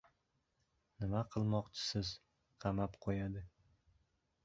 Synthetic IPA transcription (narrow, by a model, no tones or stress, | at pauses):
nɪmaqʰɨlˠmɒqt͡ʃʰɪ̥sɪz | qʰɑmapqʰojad̪ɪ